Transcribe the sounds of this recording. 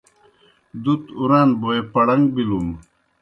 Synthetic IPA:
d̪ut̪uɾaːnboepɐɽɐŋɡ̚bilum

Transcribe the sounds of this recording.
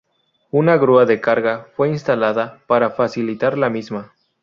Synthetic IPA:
unaɣɾuaðe̞kaɾɣafwe̞inst̪alaðapaɾafasilit̪aɾlamizma

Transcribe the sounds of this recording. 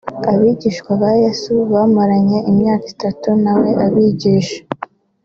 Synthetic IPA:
aβiɟiːʃkwaβajesuβaːmaɾaɲe̞imɲaːkitatunawe̞ʔaβiɟiːʃḁ

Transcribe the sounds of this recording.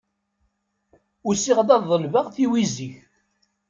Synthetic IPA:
ʊɾsiʁðɑððˤːəlvəʁθiwiziç

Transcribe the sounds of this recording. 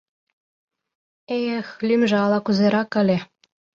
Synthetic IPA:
ejəxlʲymʒĕɑlɑkuzeɾɑkə̆lʲe

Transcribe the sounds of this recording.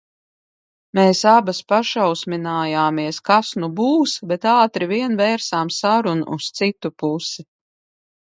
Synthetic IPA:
meːsabaspaʃawsmʲinaːjaːmiɛskasnubuːsbɛt̪aːt̪ɾiviɛnvɛːɾsaːmsaɾunṵʔːst̪sit̪upusi

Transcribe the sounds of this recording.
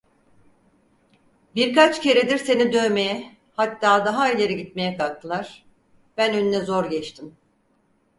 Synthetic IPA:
biɾkat͡ʃce̞ɾed̪iɾse̞nid̪ø̞jme̞jɛ | hat̪ːaːd̪aɦailʲe̞ɾiɟit̪̚me̞jɛkʰak̚t̪ʰɯlˠaɾ̥ | b̥ænøninɛzoɾɟɛt͡ʃt̪ʰim

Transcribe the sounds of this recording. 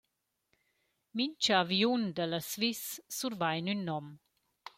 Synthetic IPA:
mint͡ʃəaviund̪ələsvisːuɾvajnynːɔm

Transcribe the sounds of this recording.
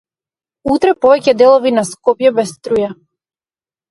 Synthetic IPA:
ut̪ɾɛpɔvɛcɛd̪ɛlˠɔvinaskɔpjɛbɛst̪ɾuja

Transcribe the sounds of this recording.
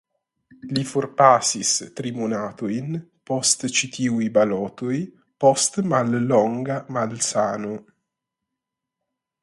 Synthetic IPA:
lifurpaːsist̪ɾimunaːt̪ujnpɔst̪t͡ʃit̪ʰiwibalɔːt̪uj | pɔst̪malːɔŋɡamalsaːnu

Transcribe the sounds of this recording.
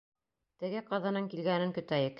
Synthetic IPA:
t̪ɘ̆ɡɘqɑðɑnɤɴkilɡænɘŋkɵ̆t̪æjɘk

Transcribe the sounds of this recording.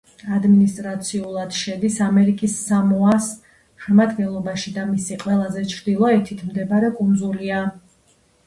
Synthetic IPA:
ad̪minist̪ʼɾat̪sʰiulˠad̪̥ʃɛd̪isamɛɾikʼisːamɔas | ʃɛmad̪ɡɛnlˠɔbaʃid̪amisiqʼwɛlˠazɛt͡ʃʰɾd̪ilˠɔɛt̪ʰit̪ʰmd̪ɛbaɾɛkʼund̪zulia

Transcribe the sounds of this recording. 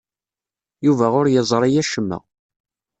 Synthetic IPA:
juvæʁʊɾjəzˤɾˤɑjæʃəmːə̰

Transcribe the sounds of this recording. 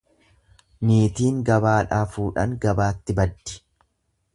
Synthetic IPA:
niːt̪iːŋɡɐbaːᶑaːfuːᶑɐ̰ŋɡɐbaːt̪ːɪbɐd̪ːɪ̥

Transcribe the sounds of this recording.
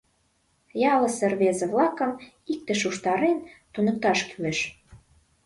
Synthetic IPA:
jɑlə̆serβezĕβlɑkə̆m | ik̚t̪ĕʃ̬uʃt̪ɑɾent̪unɤ̆k̚t̪ɑʃkyleʃ

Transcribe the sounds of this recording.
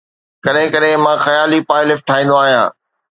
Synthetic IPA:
kɐɗɦɪ̃kɐɗɦẽmãːxɐjaːlipaːlɪfʈʰaːĩːn̆d̪oaːɦijã̰ː

